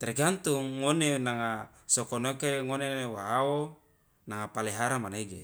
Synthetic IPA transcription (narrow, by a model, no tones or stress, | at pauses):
t̪eɾɡant̪uŋːonenaŋa | sokonokeŋonewaːo | naŋapaleɦaɾamaneɡḛ